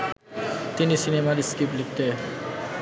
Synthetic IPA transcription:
t̪inisinemaɾiskiplik̚ʰt̪e

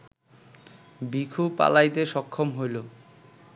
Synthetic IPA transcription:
bikʰupa̰lajt̪eʃɔkʰːomɦojlo

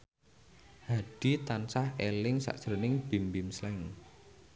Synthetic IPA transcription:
haɖ̥it̪ansahelɪŋsa̰ʔsəɾənɪŋb̥i̤mbimslɛŋ

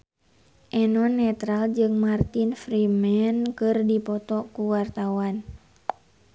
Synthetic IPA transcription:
ʔɛnɔnːɛt̪ɾald͡ʒɨŋmart̪infɾimɛnkɨrdipɔt̪ɔkuwart̪awan

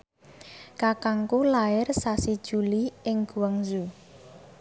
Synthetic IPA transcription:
kakaŋkulaɪrsasid̥ʒ̥uliɪŋɡ̥uwəŋzu

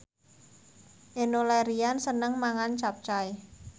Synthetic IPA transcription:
ʔenolɛɾiansənəŋmaŋant͡ʃap̚t͡ʃaj

